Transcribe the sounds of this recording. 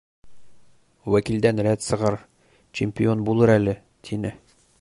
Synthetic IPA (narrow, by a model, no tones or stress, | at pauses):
wækild̪ænɾæt̪sɤ̆ʁɑɾ | t͡ɕɪmʲpʲio̞nbulˠɤɾælɘ | t̪ʰinɘ